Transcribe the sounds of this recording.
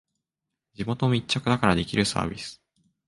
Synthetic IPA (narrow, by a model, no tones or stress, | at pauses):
d͡ʑimo̞t̪o̞mʲit͡ɕːakɯ̟d̪akaɾad̪e̞kʲiɾɯ̟sa̰ːbʲisɨ̥